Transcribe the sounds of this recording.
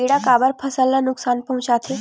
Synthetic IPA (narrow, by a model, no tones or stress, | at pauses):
eɽakabaɾpʰəsəlːanuksanpəɦũɕat̪ʰe